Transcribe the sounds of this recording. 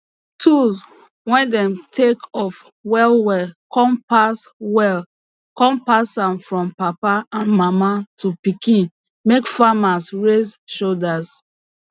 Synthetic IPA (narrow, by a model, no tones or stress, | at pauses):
tʰuz | wɛ̃ndɛ̃mtʰekɔf | wɛlwɛkʰɔ̃mpaswɛl | kɔ̃mpasãmfɹɔ̃mpapaãnmamatʰupikĩn | mekfamasɹezʃodas